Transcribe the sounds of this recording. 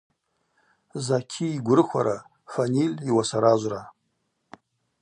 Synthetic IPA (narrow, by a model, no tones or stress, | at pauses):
zakʲʰiːɡʷʊrɨxʷa̰ɾa | fanilʲiwasaɾaʒʷra